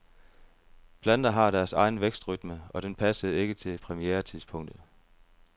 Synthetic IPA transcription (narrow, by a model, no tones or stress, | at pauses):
b̥ʰlæn̰d̥ɐɦɑ̈ɾæɐsɑ̈ɪnəʋeɡ̥sd̥ʁyd̥məɒ̽d̥enpʰæsəð̩ˠe̝ɡ̥ət͡sʰe̝lpʰʁɛmieːɐt͡sʰiðˠspʰɔ̽ŋ̰d̥ð̩ˠ